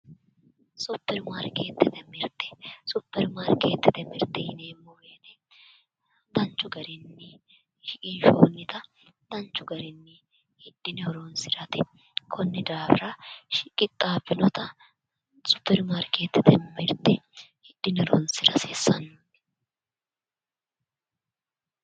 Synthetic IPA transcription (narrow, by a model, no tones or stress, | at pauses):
sʊpːɛɾmaːɾkeːt̪ːɪd̪ɛmɪɾt̪ɛsʊpːɛɾmaːɾkeːt̪ːɪd̪ɛmɪɾt̪ɛhɪneːmːɔweːt̪ɛ | d̪ɐnt͡ʃːʊɡɐɾɪnːɪ | ʃɪkʼɪnʃoːnːɪt̪ɐ | d̪ɐnt͡ʃːʊɡɐɾɪnːɪ | hɪd̪̥ːɪnɪɔɾoːnsɪɾɐt̪ɪ | kʰɔnːɪd̪aːbɾɐʃɪkʼɪt̪ʼːaːbɪnɔt̪ɐ | sʼʊ̥pːɛɾmaːɾkeːt̪ːɪt̪ɛmmɪɾt̪ɛhɪd̪̥ːɪnɔɾo̰ːnsɪɾɐseːsːɐnːu̥